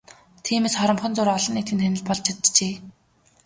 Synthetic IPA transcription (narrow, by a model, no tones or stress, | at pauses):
t̪ʰiːmeːsχɔɾɞ̆mχɞ̆nt͡sʊɾɔɮɞ̆niːt̪ʰɘnt̪ʰænɘ̆ɮpɔɮt͡ɕʰat̪t͡ɕeː